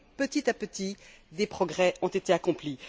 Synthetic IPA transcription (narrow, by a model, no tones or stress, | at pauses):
pət̪it̪apət̪id̪epχɔɡʁɛɔ̃t̪et̪eakɔ̃pli